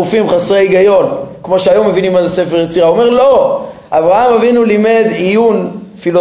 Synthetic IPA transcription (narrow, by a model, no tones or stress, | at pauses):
ufimχasʁeiɡajo̞nkmo̞ʃeajomːevinimːazese̞feʁjet͡siʁaome̞ʁlo̞ʔavʁaamavinulime̞d̪ijunfilo